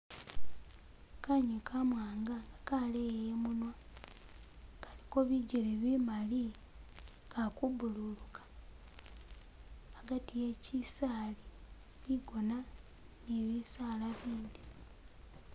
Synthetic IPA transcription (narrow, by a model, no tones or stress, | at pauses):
kaɲukʰamwaːŋɡaŋɡakalejjemunwa | kaliko̞βiɟeɾeβimali | kakuβululukʰḁ | ɡatije̞cisaːli | βiɡo̞na | neβisaːlaβiːndi